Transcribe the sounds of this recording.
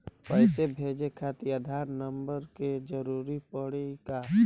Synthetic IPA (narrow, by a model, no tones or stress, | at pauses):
pəɦɪsebʱeːd͡ʒekʰaːt̪iəd̪ʱaːɾnəmbəɾked͡ʒəɾuːɾipəɽeka